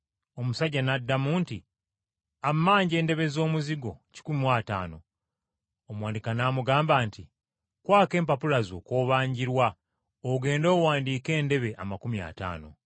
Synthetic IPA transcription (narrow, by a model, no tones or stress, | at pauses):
o̞musaɟanadːamuːnti | amːaːɲɟe̞ːnde̞βe̞zo̞ːmuziɡo̞ci̥kumiwata̰ːno̞̰ | omwaːndikanaːmuɡaːmbaːnti | kwaːke̞ːmpapulazo̞ːko̞βaːɲɟiɾwa | oɡe̞ːndo̞ːwaːndiːke̞ːnde̞βe̞ʔamakumia̰ta̰ːno̞̰